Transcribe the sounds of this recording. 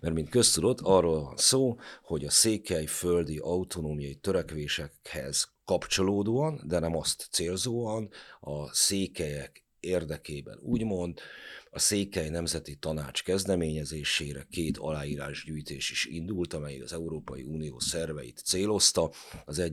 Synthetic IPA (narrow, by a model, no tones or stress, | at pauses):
mɛrmint̪kø̞st̪ud̪o̞t̪ʰːɒrːoːlvɒ̰nsoːho̞ɟɒseːkɛjføld̪iʔɒut̪ʰo̞noːmijɒjit̪ø̞ɾɛkʋeːʃɛhɛ̰z̥kɒpt͡ʃo̞loːd̪oɒnd̪ɛnɛmɒst̪t̪seːlzoːɒnɒseːkɛjɛk | eːrd̪ɛkeːbɛ̰nuːɟmo̞nd̪ɒseːkɛjnɛmzɛt̪it̪ɒnaːt͡ʃkɛzd̪ɛmeːɲɛzeːʃeːɾɛkeːt̪ʰɒ̰laːjiːɾaːʒɟyːjt̪eːʃiʃḭnd̪ult̪ɒmɛjikɒzɛuɾoːpɒjḭuːnijo̰ːsɛrvɛ̰jḭt̪seːlo̞st̪ɒ | ɒzɛ